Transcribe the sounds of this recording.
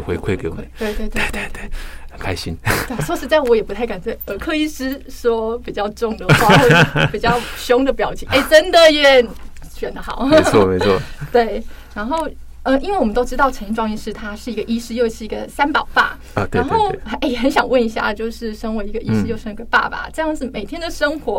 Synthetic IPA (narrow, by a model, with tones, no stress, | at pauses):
xwe˥˧ɪkʰwe˥˧ke˧˥ɪwɔ˨ə˦t̪we˥˧ɪt̪we˥˧ɪt̪e˥˧t̪e˥˧ɪt̪we˥˩ɪə˧˩kʰa˥ɪɕḭ˦˥n˥˧˩swɔ˥˧ʂɻ̩˥˧t͡sa˥˩ɪwɔ˧˥jɛ˨˩pu˧˥t̪ʰka˨˩nt͡swɪə˨˩kʰɤ˥˧i˥˧ʂɹ̩˥ʂwɔ˥pi˨˩t͡ɕjɑ˥˧ʊʈ͡ʂʊ˥˩ŋd̪ə˩xwa˥˧˥pi˨˩t͡ɕjɑ˥˩ʊɕjʊ˥ŋd̪ə˨pjɑ˨˩ʊt͡ɕɛ˨˩˦ʔe˥˩ɪʈ͡ʂə˥nd̪ə˨jɛ˥˩n | ɕɥɛ˨˩nd̪ə˦xɑ̰˨˦ʊt͡sʰɔ˥˧me˧˦ɪt͡sʰɔ˥˩t̪we˥˩ɪ | ɻa˧˥nxo˥˩ʊ | ə˧˩i˥nwe˥˩wɔ˨˩mə˦nt̪o˥ʊʈ͡ʂɻ̩˥t̪ɑ˥˩ʊʈ͡ʂʰə˧˥ni˥˩ʈ͡ʂwɑ˥ŋi˥˩ʂɻ̩˥t̪ʰa˥ʂɻ̩˥˩i˧˥ɡə˧ʔi˥ʂɻ̩˥jo˥˧ʊʂʰɻ̩˥˩i˧˥ɡə̰˧sa˥npɑ̰˨˩ʊpa̰˥˩˧ | e˧a˧˥nxo˥˩ʊ˧˥e˥˩xə˧˦nɕjɑ˨˩ŋwə˥˩ni˧˥ɕja̰˥˧t͡ɕjo˥˧ʊʂɻ̩˥˩ʂə˥ŋwe˧˥i˧˥ɡə˧ʔi˥ʂɻ̩˥jo˥˩ʊʂə˥ni˧˥ɡə˧˩pa̰˥˩ba̰˩ʈ͡ʂɤ˥˧jɑ˥˧ŋʂɻ̩˥˩me˨˩ɪt̪ʰjɛ˥nd̪ə˨ʂə˥ŋxwɔ˧˥